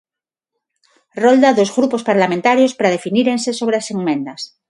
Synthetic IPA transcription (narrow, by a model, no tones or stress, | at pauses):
rold̪aðozɣɾupospaɾlamẽnt̪aɾjospɾað̞e̞finiɾensesoβɾeaseŋmẽ̞nd̪as